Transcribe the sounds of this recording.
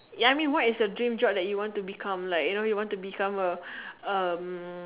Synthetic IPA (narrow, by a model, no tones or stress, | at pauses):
jaaɪjmĩnwɔt̚ɪsdədɹĩmd͡ʒɔk̚dɛt̚juwɔ̃ntubikʰãmlaɪkjunojuwɔ̃ntubikʰãməəm